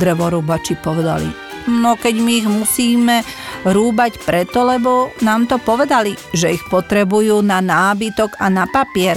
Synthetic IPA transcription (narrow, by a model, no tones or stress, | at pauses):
d̪ɾɛʋɔɾuːbat͡ʃipɔʋɛd̪a̰lḭ | nɔkɛɟmiːɣmusiːmɛɾuːbacpɾɛt̪ɔlɛbɔnaːmt̪ɔpɔʋɛd̪ali | ʒɛixpɔt̪ɾɛbujuːnanaːbit̪ɔɡanapapɪɛɾ